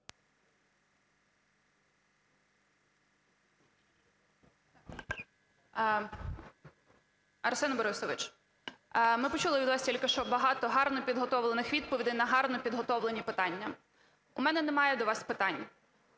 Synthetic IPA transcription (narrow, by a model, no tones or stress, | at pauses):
ɐɾsɛnɐbɔɾɪsɔʋɪt͡ʃ | mɪpɔt͡ʃulˠɪʋʲid̪ʋɑsʲtʲilʲkɪʃt͡ʃɔbɐɦɑt̪ɔɦɑrnɔpʲid̪ɦɔt̪ɔʋlˠenɪxʋʲid̪̚pɔʋʲid̪ɪnɐɦɑrnɔpʲid̪ɦɔt̪ɔʋlˠenʲipɪt̪ɑnʲːɐ | ʊmɛnɛnɛmɑjɛd̪ɔʋɑspɪt̪ɑnʲː